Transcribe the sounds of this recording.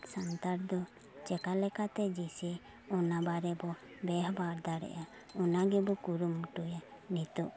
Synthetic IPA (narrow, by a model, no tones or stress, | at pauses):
sant̪aɾd̪ɔ | t͡ʃɛkalɛkat̪ɛd͡ʒisɛ | ɔnabaɾɛbɔbɛɦbaɾd̪aɾɛ̰ʔa | ɔnaɡɛbɔkuɾumʈujanit̪ɔʔ